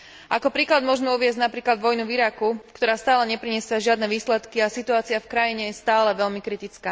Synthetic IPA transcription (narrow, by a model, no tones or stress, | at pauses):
ʔakɔpɾiːklad̪mʊɔʒmɛuʋɪɛzɟnapɾiːklad̪ʋɔjnuviɾakukt̪ɔɾaːst̪aːlɛɲɛpɾiɲɛsɪaʒɪad̪nɛʋiːslɛt̪kiasit̪uaːt͡siafkɾajiɲɛjɛst̪aːlɛʋɛʎmikɾit̪it͡skaː